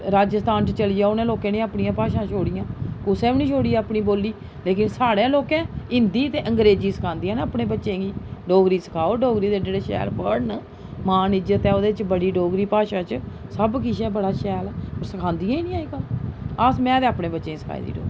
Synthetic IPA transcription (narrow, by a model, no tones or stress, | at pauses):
ɾaːd͡ʒəst̪aːnt͡ʃt͡ʃəliːjaːʊnẽːloːkẽːnẽːaːpɳijãːpaːʃãːt͡ʃʰoːɽijãːkʊsɛːnĩːt͡ʃʰoːɽiːɛːaːpɳiːboːlːiː | leːkɪnsaːɽẽːloːkẽːɪnd̪iːt̪eːʔəŋɡɾeːd͡ʒiːsə̥kʰãːnd̪ijãːnːaːpɳeːbətːʃẽːɡiːɖoːɡɾiːsə̥kʰaːoːɖoːɡɾiːd̪eːɖeːɽeːʃɛ̰ːɾbəɽn | mãːnɪzət̪ɛːoːd̪eːt͡ʃbəɽiːɖoːɡɾiːpaːʃãːt͡ʃsəbkiʃɛːbəɽaːʃɛːlɛːoːɾsəkʰãːnd̪ijãːinĩːaːiːkələsmɛ̃ːt̪eːaːpɳẽːbətːʃẽːsə̥kʰa̰ːḭd̪ḭːɖo̰ːɡi